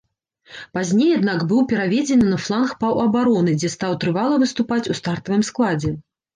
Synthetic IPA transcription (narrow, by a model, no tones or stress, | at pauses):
pazʲnʲejad̪nakbɨwpʲɛɾavʲɛd͡zʲɛnɨnɐflˠanxpɐwɐbaɾɔnɨd͡zʲɛst̪awt̪ɾɨvalˠɐvɨst̪upat͡sʲust̪art̪ɐvɨmsklˠad͡zʲɛ